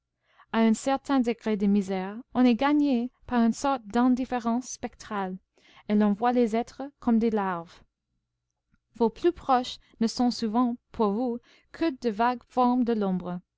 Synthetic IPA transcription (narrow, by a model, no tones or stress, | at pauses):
aɛ̃sɛʁt̪ʰɛ̃d̪eɡʁed̪əmizɛːʁɔ̃nɛɡaɲepaʁynsɔʁt̪̚d̪ɛ̃d̪ifeʁɑ̃sːpɛk̚t̪χal | elɔ̃vwalezɛt̪χəkʰɔmd̪elaʁv | voplypχɔʃ | nəsɔ̃suvɑ̃pʰuʁvu | kʰəd̪əvaɡfɔʁmd̪əlɔ̃bʁə